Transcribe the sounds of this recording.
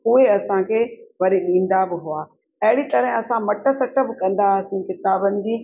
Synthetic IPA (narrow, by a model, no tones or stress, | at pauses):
ʊɦeɐsãkʰeːʋɐɾiɗĩːn̆d̪abɪɦʊaː | ɐɦɪɽit̪ɐɾɪ̃ɐsãmɐʈə̆sɐʈə̆bɪkɐ̃n̆d̪asĩːkɪt̪aːbənɪ̆d͡ʑiː